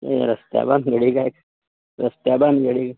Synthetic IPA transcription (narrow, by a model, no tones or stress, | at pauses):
eḛɾɐst̪ja̰ːbanɡeɽiɡak | ɾɐst̪jaːbanɡeɽiɡ